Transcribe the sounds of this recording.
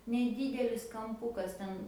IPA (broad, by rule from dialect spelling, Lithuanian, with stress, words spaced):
nʲɛˈdʲiːdʲɛlʲɪs kɐmˈpʊkɐs ˈtʲɛn